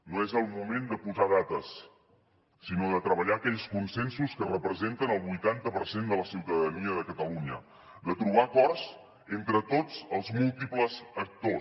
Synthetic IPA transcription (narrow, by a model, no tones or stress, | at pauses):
noezəlˠmumend̪əpuzað̞at̪əsː | inoðət̪ɾəβəʎaəkɛʎskunsɛnsuskərəpɾəzent̪ənəlˠβujt̪ant̪əpəɾsend̪ələsiwt̪əðəniəðəkət̪əluɲə | d̪ət̪ɾuβ̞akɔrsz | ent̪ɾət̪ot͡səlˠzmulˠt̪ipləzək̚t̪o